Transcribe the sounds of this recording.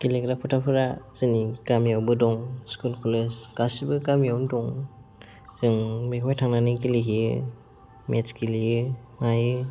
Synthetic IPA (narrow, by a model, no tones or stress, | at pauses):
kilekɾapʰɯtʰapʰɯɾaz̥ɯnikamjawbɯdɔŋskulkɔleskasibɯkamjawndɔŋ | zɯŋbekʰɔjtʰaŋnanikiliɦijɯ | met͡ʃkilijɯmajɯ